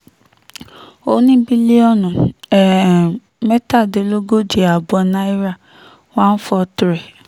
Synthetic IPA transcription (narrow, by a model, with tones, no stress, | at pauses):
o˦nĩ˦bi˦li˦ɔ˦˨nũ˨ɛ˨ | mɛ˦ta˦˨de˨˦lo˦ɡo˦d͡ʒe˨a˨bɔ˨nã˦i˦ɾa˦˨ | wã˦n̩˦fɔ˧tɾɛ˨